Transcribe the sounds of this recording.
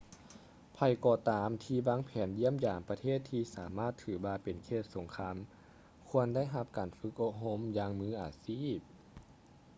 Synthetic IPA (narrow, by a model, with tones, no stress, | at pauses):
pʰa˧˩jkɔː˧˩t̪aː˨˩mt̪ʰiː˧ʋaː˧˥˨ŋpʰɛː˩˦nji˧˥əmjaː˨˩mpa˧t̪ʰeː˥˩t̪ʰːiː˧saː˩˦maː˥˩t̪ʰːɯː˩˦waː˧pe˨˩nkʰeː˧˩t̪̚so˨˩˦ŋkʰaː˧m | kʰu˧˥ənda˥˨jɦa˧p̚kaː˨˩nfɯ˧˥k̚ʔo˧˥ɦo˧˥˨mjaː˧ŋmɯː˧˥ʔaː˨˩siː˥˨p̚